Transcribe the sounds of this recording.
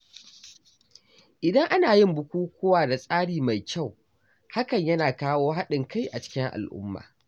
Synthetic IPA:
ʔɪ˨dɐ˦ŋʔa˦naː˨jɪ˦mbʊ˨kʷuː˦kʷʊː˦waː˨da˨sʼaː˦ɽiː˨ma˨jkʲa˦˨w | ha˦kɐ˨ɲjɐ˦naː˨kaː˦woː˦ɦa˦ɗɪ˨ŋka˦˨jʔa˨t͡ʃɪ̥˦kʲɪ˦ŋʔa̰˨lʔʊ̰˦mːa̰ː˨

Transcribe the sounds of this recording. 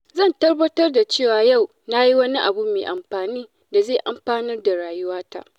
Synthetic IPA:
zɐ˦˨ntɐ˦rbɐ˦tɐ˦rda˨t͡ʃeː˦˨waː˨ja˦˨w | na˦ji˦wɐ˦ni˦ʔa˨bu˦mḛː˨ʔa˨mɸaː˨niː˦ | da˨zeː˦˨ʔa˨mɸaː˦nɪ˦rda˨ɽaː˨jʊ˦waː˦ta̰˦˨ʔ

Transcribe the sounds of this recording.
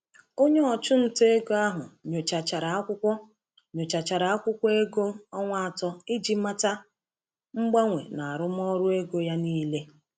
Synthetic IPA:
o˦ɲe˦ɔ˨t͡ʃʊ˦n̩˦te˦e˦ɡo˦a˦ɦʊ̰˨ɲo˨t͡ʃa˨t͡ʃa˨ɾa˨a˦kʷʊ˦kʷɔ˦ | ɲo˨t͡ʃa˨t͡ʃa˨ɾa˨a˦kʷʊ˦kʷɔ˦e˦ɡo˦ɔ˦ŋʷa˦a˨tɔ˦ɪ˦d͡ʒi˦ma˦ta˦ | ŋ͡m̩˦ɡ͡ba˦ŋʷḛ˨na˨a˨ɾʊ˦m˦ɔ˦ɾʊ˦e˦ɡo˦ja˦niː˦le˦

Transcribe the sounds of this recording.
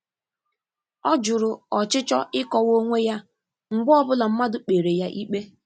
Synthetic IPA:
ɔ˦d͡ʒʊ˨ɾʊ˨ɔ˨t͡ʃɪ˦t͡ʃɔ˦ʔɪ˦kɔ˦wo˦ŋʷe˦ja˦ | ŋ͡m̩˨ɡ͡bɔ˦bʊ˦la˨m̩˦ma˦dʊ˨k͡pe˨ɾe˨ja˦ʔi˦k͡pe˦

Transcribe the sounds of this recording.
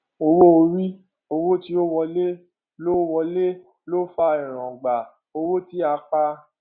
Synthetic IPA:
o˧wo˦o˧ɾi˦ | o˧wo˦ti˧o˦wɔ˧le˦ | lo˦wɔ˧le˦ | lo˦fa˦ĩ˨ɾ̃ɔ̃˨ɡ͡ba˨ | o˧wo˦ti˦a˧k͡pa˧

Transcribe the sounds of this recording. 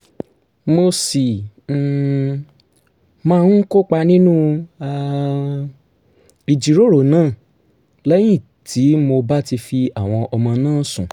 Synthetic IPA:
mo˧si˨ | mãː˦˧˦ko˦k͡pa˧nĩ˦nũ˦a˧ | i˨d͡ʒi˧ɾo˦ɾo˨nãː˦˨ | lɛ˦j̃ĩ˦˨ | tʰi˨˦mo˧ba˦ti˧fi˧a˨w̃ɔ̃˧ʔɔ˧mɔ̃˧nãː˦˨˦sṵ̃˨

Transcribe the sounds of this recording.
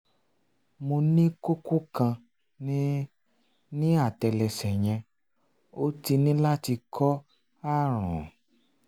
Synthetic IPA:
mo˧nĩ˦ko˦ko˦kã˧˦ | nĩ˦a˦˨tɛ˨lɛ˨sɛ˨j̃ɛ̃˧ | o˦ti˧nĩ˦la˦ti˧kʰɔ˦ | a˦˨ɾ̃ɔ̰̃˨

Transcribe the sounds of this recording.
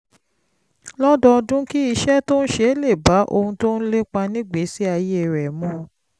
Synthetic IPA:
lɔ˦dɔ˧dũ˦ki˦i˧ʃɛ˦to˦ñ̩˦ʃe˦le˦˨ba˨˦ʔo̰˧hũ˧to˦n̩˦le˦k͡pa˧nĩ˦ɡ͡be˨˦si˦a˧je˦˨ɾɛ˨mɔ̃˦˨

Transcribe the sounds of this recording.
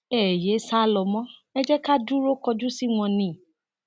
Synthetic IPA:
ɛ˨je˨˦sa˦lɔ˧mɔ̃˦ɛ˦d͡ʒɛ˦ka˦du˦ɾo˦kɔ˧d͡ʒu˦si˦w̃ɔ̃˧nĩ˨˦˨

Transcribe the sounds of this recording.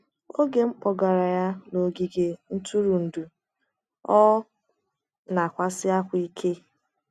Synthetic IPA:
o˦ɡe˨ŋ͡m̩˦k͡pɔ˨ɡa˨ɾa˨ja˦no˨ɡi˦ɡe˨n̩˦tʰu˦ɾu˨n̩˨du˨ | ɔ˦ | na˨kʷa˦sɪ˦a˦kʷi˦kʰe˦

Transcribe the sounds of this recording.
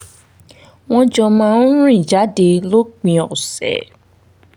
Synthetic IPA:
w̃ɔ̃˦d͡ʒɔ˧mãː˦˧n˦ɾ̃ĩ˦˨d͡ʒa˨˦de˧lo˦k͡pĩ˧ɔ˨sɛ̰˨

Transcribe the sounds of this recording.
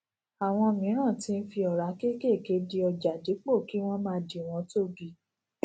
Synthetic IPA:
a˨w̃ɔ̃˧mĩ˨˦ɾ̃ã˦˨tĩ˦˧n̩˦fi˧ɔ˨ɾa˨˦ke˦ke˦˨ke˨˦di˧ɔ˧d͡ʒa˨di˨˦k͡po˦˨ki˦w̃ɔ̃˦mãː˦di˨w̃ɔ̃˧˦to˦ɡi˧˨

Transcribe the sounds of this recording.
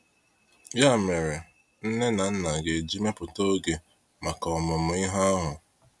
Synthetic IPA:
ja˦˨me˨ɾe˨ | n̩˦ne˦na˨n̩˦na˨ɡe˨d͡ʒi˦me˦pʊ˨to˦ɡe˨ | ma˨kɔ˨ɔ˨mʊ˨m̩˨ɪ˦ɦɔ˦ɔ˦ɦʊ˨

